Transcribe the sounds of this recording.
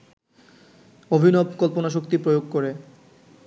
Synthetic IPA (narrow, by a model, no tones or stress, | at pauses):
obʱinobkɔlponaʃ̬okt̪ipɾojoɡ̚koɾe